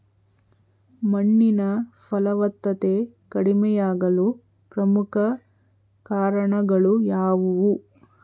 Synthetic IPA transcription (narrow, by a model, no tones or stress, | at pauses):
mɐɳːinɐpʰɐlɐʋɐt̪ːɐt̪e | kɐɽimɛjaːɡɐlu | pɾɐmukʰɐ | kaːɾɐɳɐɡɐɭujaːʋuʋu